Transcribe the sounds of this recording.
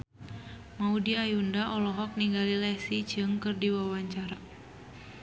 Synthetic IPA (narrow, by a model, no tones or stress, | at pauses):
maudiajundaʔɔlɔɦɔk̚niŋɡalilɛsid͡ʒɨŋkɨrdiwawaɲt͡ʃaɾa